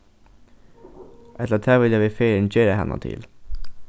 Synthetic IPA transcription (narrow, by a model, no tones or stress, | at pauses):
ʔɛt̪lət̪ʰæːʋɪljɑːʋɪfeːɾənd͡ʒeːɾəhɛ̰nʔə̰t̪ʰɪ̰l